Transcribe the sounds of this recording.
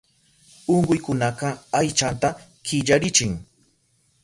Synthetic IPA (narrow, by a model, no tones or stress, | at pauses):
oɴɢʊjkʊnɑqɑajt͡ʃant̪a | kɪʎaɾɪt͡ʃɪŋ